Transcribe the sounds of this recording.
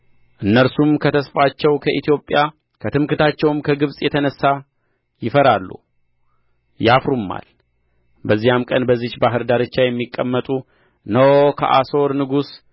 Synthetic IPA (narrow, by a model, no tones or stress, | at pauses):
ʔɨnːəɾsumkʰət̪ʰəsfat͡ʃːɛwkʰəʔit̪ʰijo̞pʼːja | kʰət̪ʰɨmkɨt̪at͡ʃːɛwɨmkʰəɡɨβsʼjɛt̪ʰənəsːa | jɪfəɾalːṵ | jafɾumːa̰l | bəzːijamkʼənbəzːit͡ʃbaɦɨɾd̪aɾɨt͡ʃːajɛmːikʼːəmːət̪ʼu | nəwkʰə̰ʔa̰so̞ɾnɨɡus